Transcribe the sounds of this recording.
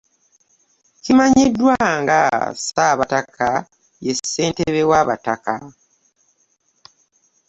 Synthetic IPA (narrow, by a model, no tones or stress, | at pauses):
cimaɲidːwaŋɡa̰saβatakʰa | je̞sːe̞ːnteβewaβataka